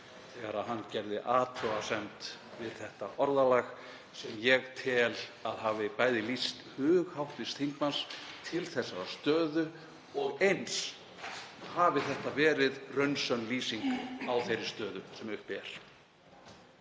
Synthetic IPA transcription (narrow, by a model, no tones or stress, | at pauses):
θɛːɣaɾaɦanːcɛɾðɪʔaːt̪ʰɔasɛnt̪ | vɪð̥θɛht̪a̰ʔɔɾðalaɣ | sɛmjɛɣt̪ʰɪlaðɦaːvɪpaːjðɪlist̪hʏːɣhawht̪vɪst̪hiŋkmanst̪ʰɪlθɛsːaɾast̪œːðʏ | ɔɣejns | haːvɪθɛht̪avɛːɾɪðrœɥnsœnliːsiŋkawθejɾɪɾst̪œːðʏsɛmʏhpɛɾ̥